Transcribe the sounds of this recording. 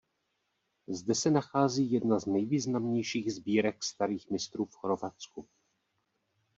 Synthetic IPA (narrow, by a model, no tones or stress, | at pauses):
zdɛsɛnaxaːziːjɛdnaznɛjviːznamɲejʃiːɣzbiːɾɛkst̪aɾiːxmɪst̪ɾuːfxɾovat͡sku